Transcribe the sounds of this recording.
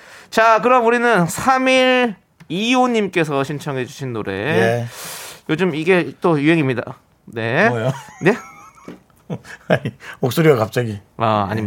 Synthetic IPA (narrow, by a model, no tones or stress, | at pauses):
t͡ɕakɯɾʌmuɾinɯnsʰamiɾ | ioɲimk͈e̞s̬ʰʌɕʰint͡ɕʰʌŋɦe̞d͡ʑuɕʰinːoɾe̞̰ | jod͡ʑɯmiɡe̞t͈ojuɦe̞ŋimɲida̰ | ne̞one̞ | aɲimok̚s͈oɾiwakap̚t͡ɕ͈aɡiaa̰ɲim